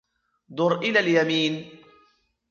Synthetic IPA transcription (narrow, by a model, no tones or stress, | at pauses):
d̪ʊɾʔɪlaljamiːn